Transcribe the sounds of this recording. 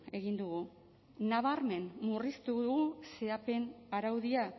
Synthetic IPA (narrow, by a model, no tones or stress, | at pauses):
e̞ɣind̪uɣu | naβ̞aɾme̞nmurist̪uɣɣuse̞ape̞naɾawðia